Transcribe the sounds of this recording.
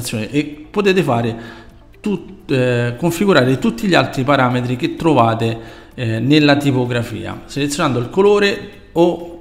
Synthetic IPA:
t̪sːjoːneʔepːot̪eːt̪̬ɪfaːɾɪ | t̪u | koɱfiɡuɾaːɾɪt̪ut̪ːiʎialt̪ɾipaɾaːmet̪ɾik̟et̪ːɾovaːt̪ɪ | nelːat̪ipoɡɾafḭːa̰selet̪sːjonand̪oilkoloːɾe | o

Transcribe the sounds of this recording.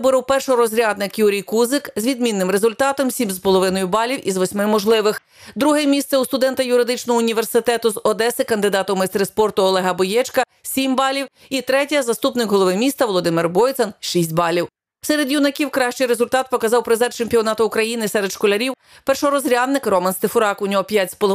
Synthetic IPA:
bɔɾɪwpɛrʃɔɾɔzʲɾʲad̪nɪkjuɾʲijkuzɪkzʋʲid̪mʲinːɪmɾezʊlʲt̪ɑt̪ɔmsʲimspɔlˠɔʋɪnɔjʊbɑlʲiwizʋɔsʲmɪmɔʒlˠɪʋɪx | d̪ɾuɦɛmʲist̪sɛust̪ʊd̪ɛnt̪ɐjʊɾɪd̪ɪt͡ʃnɔɦɔʊnʲiʋersɪt̪ɛt̪ʊzɔd̪ɛsɪkɐnd̪ɪd̪ɑt̪ɔwmɛst̪ɾespɔrt̪ʊɔlˠɛɦɐbɔjɛt͡ʃkɐ | sʲimbɑlʲiw | it̪ɾɛtʲɐzɐst̪upnɪkɦɔlˠɔʋɪmʲist̪ɐʋɔlˠɔd̪ɪmɪrbɔjt̪sɐnʃisʲtʲbɑlʲiw | sɛɾed̪junɐkʲiwkɾɑʃt͡ʃɪjɾezʊlʲt̪ɑt̪̚pɔkɐzɑwpɾɪzɛrt͡ʃɪmʲpʲiɔnɑt̪ɐʊkɾɐjinɪsɛɾed̪ʃkɔlʲɐɾʲiw | pɛrʃɔɾɔzɾʲɑd̪nɪkrɔmɐnst̪ɪfʊɾɑkʊnʲɔɦɔpʲjatʲspɔlɔ

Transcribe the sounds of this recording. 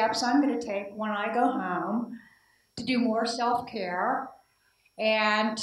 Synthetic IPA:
æpsãɪ̃mɡʌnɨtʰeɪkwə̃naɪɡoʊɦõʊ̃m | tʰɨdɨmɔɹsɛlˠfkʰɛɹ | ɨ̃ntʰ

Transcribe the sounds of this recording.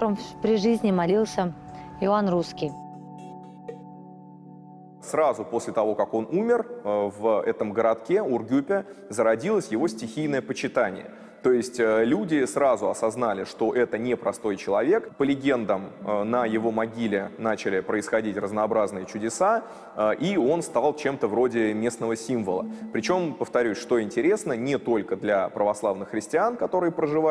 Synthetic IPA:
əmpɾʲɪʐɨzʲnʲɪmɐlʲilˠsʲəɪanruskʲij | srazʊpo̞sʲlʲɪt̪ɐvo̞kako̞nʔumʲɪrvɛt̪əmɡəɾɐt̪kʲeʊrɡʲupʲɪzəɾɐdʲilˠəsʲjɪvo̞sʲtʲɪxʲijnəjəpət͡ɕɪt̪anʲɪ̰jə̰ | t̪o̞jɪsʲtʲəlʲudʲɪsɾazʊɐsɐznalʲɪʂt̪o̞ʔɛt̪ənʲɪpɾɐst̪o̞jt͡ɕɪlˠɐvʲe̞kpəlʲɪɡʲe̞nd̪əmənəjɪvo̞mɐɡʲilʲɪnat͡ɕɪlʲɪpɾəɪsxɐdʲitʲrəznəːbɾaznɨjət͡ɕʊdʲɪsa | əʔio̞nst̪ɐalˠt͡ɕe̞mt̪əvɾo̞dʲɪmʲe̞snəvəsʲiɱvəlˠə̰pɾʲɪt͡ɕo̞mpəft̪ɐɾʲʉsʲʂt̪o̞ɪnʲtʲɪɾʲe̞snənʲɪt̪o̞lʲkəd̪lʲapɾəvɐslˠavnɨxːɾʲɪsʲtʲɪankɐt̪o̞ɾɨjpɾəʐɨva

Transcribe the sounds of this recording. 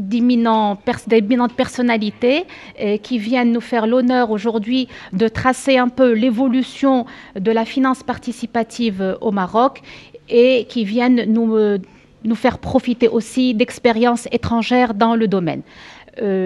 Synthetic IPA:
d̪iminɑ̃pɛʁsd̪eminɑ̃t̪̚pɛʁsɔnalit̪ekʰʲivjɛnnufɛʁlɔnœʁoʒuʁd̪ɥid̪ət̪χaseɛ̃pølevɔlysjɔ̃ | d̪əlafinɑ̃spaʁt̪isipat̪ʰivomaʁɔkekʲivjɛnːu | nufɛʁpχɔfit̪eʔosid̪ɛkspeʁjɑ̃set̪χɑ̃ʒɛʁd̪ɑ̃ləd̪ɔmɛ̰nø

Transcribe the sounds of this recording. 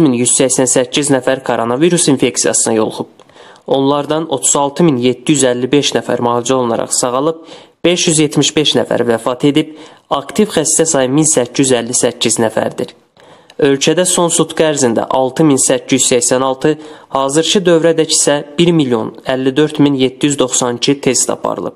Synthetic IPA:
minjyz̥sæçsænsæcːiznæfæɾkʰoɾo̞nɑviɾusinfe̞ksijɑ̰sɯnɑ̰jo̞̰lˠχub̚ | o̞nlˠɑɾd̪ɑno̞̰t̪ʰuzɑlˠt̪ʰɯminjet̪ːijyzælːibe̞ʃnæfæ̰ɾmɑːlˠid͡ʒæo̞lˠunɑ̰ɾɑ̰χsɑɣɑlˠɯb̚b̥e̞ʃjyzjet̪ʰmiʃbe̞ʃnæfæ̰ɾvæfɑt̪ʰe̞d̪ib̚ɑkt̪ʰivxæst̪æsɑjɯminsæcʰːijyzælːisæcʰːiznæfæ̰ɾd̪iɾ | ø̞lcʰæd̪æso̞nsut̪ɡæːɾzind̪æ̰ʔɑlˠt̪ʰɯminsæcʰːijyzsæçsænɑlˠt̪ʰɯhɑːzɯɾcʰɯd̪ø̞vɾæd̪æci̥sæb̥iɾmilijo̞̰nælːid̪ø̞ɾt̪minjet̪ːijyzd̪o̞χsɑnicʰit̪ʰe̞st̪ʰɑ̰pʰɑ̰ɾɯ̰lˠɯ̰p̚

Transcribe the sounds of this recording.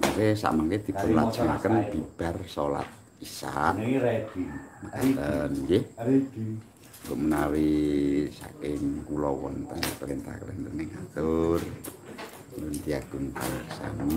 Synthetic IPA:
maɾesa̰ʔmaŋked̪̥i̤pʊnladd͡ʒ̥ankənb̥i̤b̥a̤rsola̰t̪̚ | isaʔredməkat̪ənje̥ | ŋɡoʔmənawisa̰kɪŋkulɔwɔ̰nt̪ənpəlent̪a̰hkəlḛnt̪ənɪŋat̪ʊr | ŋɡunt̪iaɡ̥unp̪alaksa̰na

